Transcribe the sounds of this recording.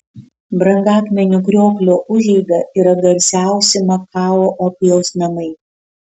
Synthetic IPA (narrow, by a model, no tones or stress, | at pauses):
bɾɐŋɡɑːkmʲɛnʲuːˑkɾʲoːklʲoːʔʊʒʲɛɪɡɐʔiːɾɐɡɐɾʲsʲæˑʊsʲɪmɐkɑːʋoːʔɔpʲɪjoːsnɐmɐɪ